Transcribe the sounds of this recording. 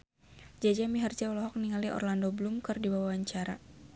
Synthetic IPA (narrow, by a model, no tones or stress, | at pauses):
d͡ʒad͡ʒamiɦard͡ʒaɔlɔɦɔk̚niŋaliʔɔ̰rlandoblumkɨrdibawawaɲt͡ʃaɾa